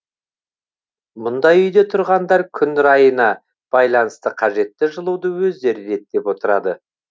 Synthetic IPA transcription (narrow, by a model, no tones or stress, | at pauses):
mʊnd̪ɑjʏjd̪e̞t̪ʰʊɾʁɑnd̪ɑɾkʲʰʏnd̪ɪɾɑjənɑ | b̥ɑjlˠɑnəst̪əqʰɑʒe̞t̪ːɪʒəlˠuwd̪əwɵzd̪e̞ɾɪɾe̞t̪̚d̪e̞pwo̞t̪əɾɑd̪ə